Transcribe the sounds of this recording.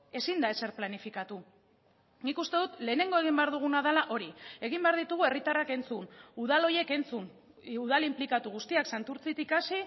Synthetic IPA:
e̞sind̪ae̞se̞ɾplanifikat̪u | nikust̪e̞ðut̪le̞ːne̞ŋɡo̞e̞ɣimbe̞aɾðuɣ̞unaðelaʔo̞ɾie̞ɣ̞imbe̞aɾð̞it̪uɣ̞ue̞rit̪arake̞nt͡sunuðalo̞je̞ke̞nt͡sun | uð̞alimplikat̪uɣ̞ust̪iaksant̪uɾt͡sit̪ikasi

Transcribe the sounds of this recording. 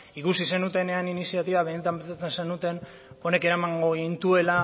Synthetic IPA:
ikusise̞nut̪e̞ne̞aninisiat̪iβaβe̞ne̞t̪ampet̪at͡se̞nsenut̪e̞n | o̞ne̞ke̞ɾamaŋɡo̞ɣint̪ue̞la

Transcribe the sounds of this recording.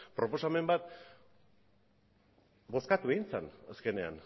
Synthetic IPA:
pɾo̞po̞same̞mbat̪̚ | bo̞skat̪ueint͡sanaske̞ne̞a̰n

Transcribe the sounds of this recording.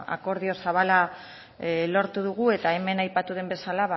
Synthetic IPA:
a̰ko̞ɾð̞io̞saβala | lo̞ɾt̪uðuɣ̞ue̞t̪ae̞me̞najpat̪uðe̞mbe̞salaβa

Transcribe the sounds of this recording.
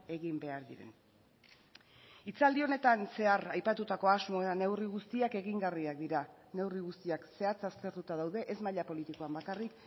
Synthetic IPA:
e̞ɣimbe̞aɾðiɾe̞̰n | it͡sald̪io̞ne̞t̪anse̞arajpat̪ut̪ako̞azmo̞eɾane̞wriɣust̪iake̞ɣiŋɡariak̚d̪iɾane̞wriɣust̪iakse̞at͡sast̪e̞ɾt̪ut̪að̞awðe̞ʔezmaʎapo̞lit̪iko̞ambakarik

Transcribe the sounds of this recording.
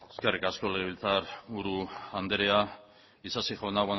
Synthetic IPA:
eskerikasko̞leβilt͡saɾuɾuand̪eɾea | isasiʝoenaɣa

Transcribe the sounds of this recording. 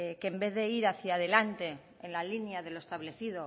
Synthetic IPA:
kembe̞ððe̞iɾaθjað̞e̞lant̪e̞ | enlalinjað̞e̞loest̪aβle̞θið̞o̞

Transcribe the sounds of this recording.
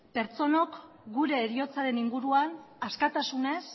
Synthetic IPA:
pe̞ɾt͡so̞no̞k | ɡuɾe̞ːɾio̞t͡saɾe̞niŋɡuɾuan | askat̪asune̞s

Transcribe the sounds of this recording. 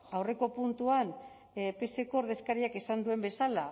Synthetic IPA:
awre̞ko̞punt̪uan | pe̞se̞kooɾðe̞skaɾiakesand̪ue̞mbe̞sala

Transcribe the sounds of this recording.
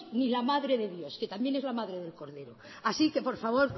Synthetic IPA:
nilamaðɾe̞ðe̞ðjo̞ske̞t̪ambje̞nezlamaðɾe̞ðelko̞ɾðe̞ɾo | asike̞po̞ɾfaβ̞o̞ɾ

